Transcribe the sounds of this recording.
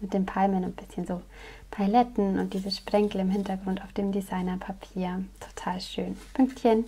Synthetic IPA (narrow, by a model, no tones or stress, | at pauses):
mɪt̚d̥eːnpʰalmənʊnt̚b̥ɪsçənzoː | pʰaɪlɛtn̩ʊ̰nt̚d̥iːzəsʃpʁ̥ɛŋkl̩ɪmɦɪntɐɡʁʊntaʊfd̥eːmdizaɪnɐpʰapʰiːɐtʰo̥tʰaːlʃøːnpʰʏŋktçən